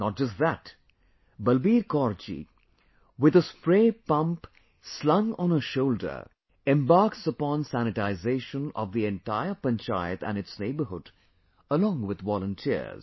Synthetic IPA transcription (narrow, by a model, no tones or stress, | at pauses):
nət̚d͡ʒʌst̚ðæt | bəlbiːɾkɔɾt͡ʃḭ | wɪðəspɹeːpʌ̃mp | slʌ̃ŋə̃nəʃoʊldə̰˞ | ɛ̃mbaɹksəpɔ̃nsænɨʈaɪzeɪʃə̃nɔ̰ʋðiɛ̃nʈaɪə˞pə̃nt͡ʃa̰ɪt̪æ̰̃nɨtsneɪbə˞ɦʊd | əlɔ̃ŋwɪd̪ʋɔlˠə̃ntʰḭz̥